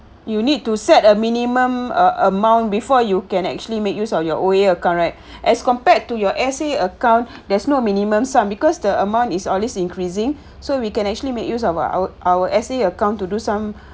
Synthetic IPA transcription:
junid̚tːusɛtəminimə̃mʔəmãw̃ntbifɔjukɛ̃nɛ̰k̚t͡ʃuəlimekjusɔfjɔʔoeəkãʊ̃ntɹaɪt̚ | ʔɛskɔ̃mpɛtːujɔʔɛseəkãʊ̃ntdɛsnomĩnimə̃msãmbikɔsdəəmãw̃ntisɔlwesĩŋkɹizĩŋ | sowikɛ̃nɛk̚t͡ʃuəlimekjusɔfʔawəʔɛseəkãʊ̃ntːudusãm

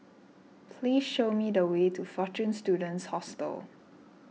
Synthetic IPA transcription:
pʰliːsʃomidəwetʰufɔt͡ʃũnstjudə̃ntshɔstə̰l

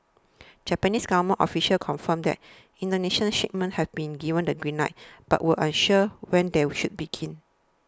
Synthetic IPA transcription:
d͡ʒɛpɛnisɡavəmə̃nʔɔfiʃəlkʰɔ̃nfə̃mdɛ̰t̚ | ĩntənɛʃnəʃet̚mə̃nhɛfbĩnɡivə̃ndəɡɹĩnːaɪt̚b̥a̰ʔwilʔãnʃəwɛ̃ndɛʃut̚biɡʰĩn

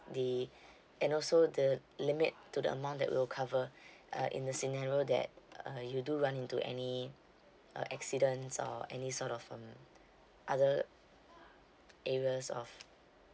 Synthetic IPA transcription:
di | ɛ̃nɔlsodəlimɪt̚ːudə̰ə̰mãʊ̃ntdɛ̰ʔ̚wḭlkʰavə̰ʔḭ̃ndəsinaɹiodɛ̰t̚ʌjuduɹãnĩntuʔɛ̰nḭ | ʔɛksidə̃nsɔ̰ɛnisɔtɔfʌ̃m | ʔadə | ʔɛɹiəsɔ̰f

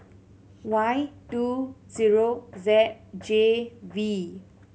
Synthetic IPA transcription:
wajtuziɹozɛt̚d͡ʒevi

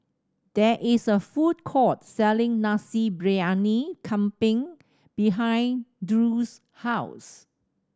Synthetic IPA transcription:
d̥ɛʔɪsəfud̚kʰɔt̚sɛlɪ̃ŋnasibɹianikʰãmpɪ̃ŋ | b̥iɦãj̃ndɹus | haʊs

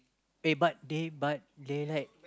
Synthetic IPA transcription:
ebat̚debat̪̚delajk̚

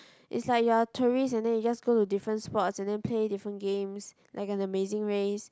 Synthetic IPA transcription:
ʔḭtslajk̚juatʰuɹistɛ̃ndɛ̃njud͡ʒasɡotudifɹə̃ntspɔtsɛ̃ndɛ̃npʰledifɹə̃nɡẽms | lʔa̰ɪkɛ̃nəmezɪ̃ŋɹes

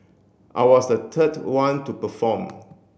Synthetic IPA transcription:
ʔa̰ɪwɔsdətʰətwãntupəfɔ̃m

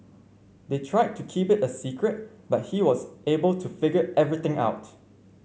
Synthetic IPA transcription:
detʰɹaɪd̚tʰːukʰipɪtəsikʰɹɛt̚ | bat̚hiwɔzebəltʰufɪɡəɛvɹit̪ɪ̃ŋʔa̰ʊt

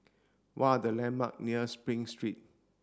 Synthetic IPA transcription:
waadəlɛ̃nba̰k̚niəspɹĩŋstɹit̚

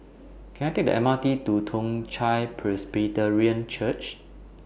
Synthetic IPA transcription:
kʰɛ̃najtek̚də̰ʔɛ̰̃matitutʰõŋt͡ʃajpʰɹɛsbitəɹiə̃nt͡ʃʰət͡ʃ

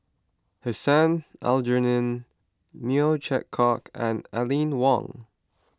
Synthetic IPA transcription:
həsãna̰ld͡ʒənə̃nː | iot͡ʃʰɛkʰɔkʰə̃nalĩnwɔ̰̃ŋ

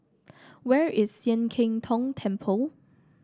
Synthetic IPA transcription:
wɛɹɪsĩnkʰɪ̃ŋtʰɔ̃ŋtʰɛ̃mpʰəl

